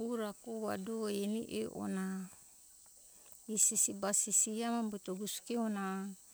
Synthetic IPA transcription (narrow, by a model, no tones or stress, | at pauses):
uɾakowa̰doeniʔḛʔo̰na | isisibasisiamambut̪oɡuskiona